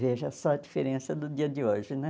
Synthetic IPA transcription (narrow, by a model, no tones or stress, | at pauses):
veʒɐsɔɐd͡ʒifeɾẽsɐd̪ʊd͡ʒiɐd͡ʒɪoʒɪnɛ